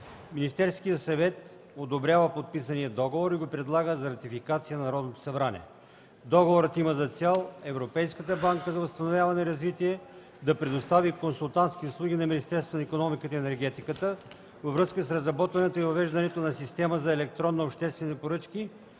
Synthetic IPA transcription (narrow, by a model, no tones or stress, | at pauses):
minist̪ɛɾskijət̪sɐvɛt̪ | od̪obɾʲjavəpot̪̚pisənijəd̪ɔɡovoɾiɡopɾɛd̪lˠaɡəzɐɾɐt̪ifikat̪sijənɐnɐɾɔd̪not̪o̥sɐbɾanɛ̰ɛ | d̪ɔɡovoɾət̪iməzɐt̪sɛlˠɛvɾopɛjskət̪əbaŋkəzɐvɐst̪ɐnovʲjavɐnɛiɾɐzvit̪iɛ | d̪ɐpɾɛd̪ost̪avikonsulˠt̪ant̪skʲiʊslˠuɡ̟ʲinɐminist̪ɛɾst̪vonɐikonɔmikət̪ɛnɛɾɡɛt̪ikət̪ə | vɐvɾɤskəsɾɐzɾɐbɔt̪vɐnɛt̪oivɐvɛʒd̪ɐnɛt̪onɐsist̪ɛməzɐɛlɛk̚t̪ɾɔnːəopʃt̪ɛst̪vɛnipoɾɤt͡ʃki